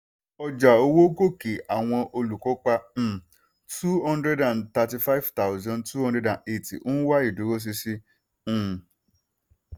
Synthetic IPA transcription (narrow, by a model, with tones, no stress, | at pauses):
ɔ˧d͡ʒa˨o˧wo˦ɡo˦˨ke˨ʔa˨w̃ɔ̃˧ʔo˧lu˨kɔ˨˦k͡pã˧˨ | tu˦hɔ̃˦ndɾɛ˦dã˨nta˧ti˧fa˦i˦vta˦ʊ˦zɔ̃˧˦ntu˦hɔ̃˦dɾɛ˦dã˨ne˨tḭ˨ʔo˦wa˦i˦˨du˨˦ɾo˦s̬i˧sĩ˧˦˨